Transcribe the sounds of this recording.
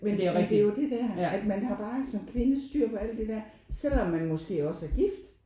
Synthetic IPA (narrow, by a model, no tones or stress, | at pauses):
mendmend̥ejo̝d̥e̝d̥æɐ̰æd̥mænhɑ̈b̥ɑ̈ːsɒ̽mkʰʋe̝nəsd̥yɐ̰pʰɒ̽æl̰d̥d̥e̝d̥æɐ̰ | sel̰ɒ̽mːænmɒ̽sɡ̥e̝̰ːɒ̽səæɐɡ̥ifd̥